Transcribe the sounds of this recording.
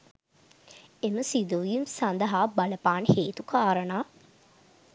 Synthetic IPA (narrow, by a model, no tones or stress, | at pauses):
eməsid̪uʋjimsand̪əɦaːbɐləpaːnheːt̪ukaːɾənaː